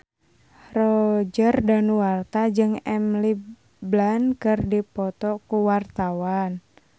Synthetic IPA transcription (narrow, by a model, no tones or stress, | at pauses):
rɔd͡ʒərdanuwart̪ad͡ʒɨŋɛmli | blankərdipɔt̪ɔkuwart̪awan